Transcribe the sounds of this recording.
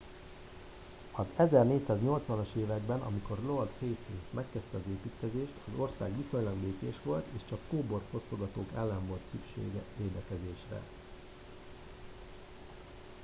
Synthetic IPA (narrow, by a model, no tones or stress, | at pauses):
ɒzɛzɛrneːcsaːzɲo̞lt̪sʋɒnɒʃeːvɛɡbɛnʔɒ̰miko̞rlo̞rd̪fejst̪insmɛkːɛst̪ɛɒzeːpiːt̪kɛzeːʃt̪ɒzo̞rsa̰ːɡʋiso̞ɲlɒɡbeːkeːʃʋo̞lt̪eːʃt͡ʃɒkːoːbo̞rfo̞st̪oɡɒt̪oːkɛlːɛɱvo̞lt̪sykʃḛːɡɛveːd̪ɛkɛzeːʃrɛ̰